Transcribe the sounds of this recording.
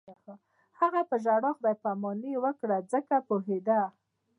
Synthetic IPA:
xa | haɣapəʒaɽɑxb̪ajpamɑniwəkɽad͡zəkapoɦed̪a

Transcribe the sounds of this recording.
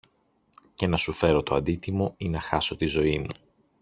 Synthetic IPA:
ce̞nɐsufe̞ɾo̞t̪oɐnd̪it̪imo̞inɐxɐso̞t̪izo̞imu

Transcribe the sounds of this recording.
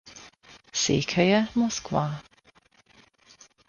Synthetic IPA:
sḭːkʰœjəmɔskwaː

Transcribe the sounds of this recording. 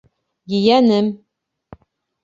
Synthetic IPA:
jɘ̆jænɘm

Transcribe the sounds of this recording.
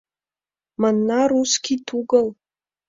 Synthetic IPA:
manːaruskʲitʰuɡal

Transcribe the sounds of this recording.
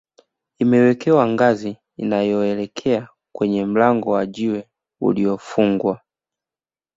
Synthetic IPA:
imɛwɛkʰɛwaŋɡaziː | najɔɛlɛkʰɛa | kwɛɲɛm̩laŋɡɔwaʄiwɛ | ṵliɔfuŋɡwa

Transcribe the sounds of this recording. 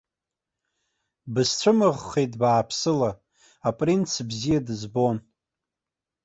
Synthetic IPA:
bɨst͡sʷʰɨmɨʁːejtʼbaːpʰsɨla | apʼrint͡sʰbzijadɨzbo̞n

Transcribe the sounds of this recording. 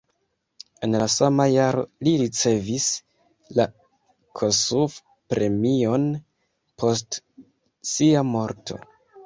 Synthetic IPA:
e̞nlasamajaɾo̞̰liɾit͡se̞vis | la | kʰosuf | pɾe̞mio̞n | pʰo̞st | siamo̞ɾtʰo̞̰

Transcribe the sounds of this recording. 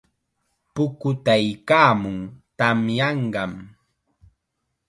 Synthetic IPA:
pʊkʊt̪ajkaːmʊŋt̪amjɑɴɢɑm

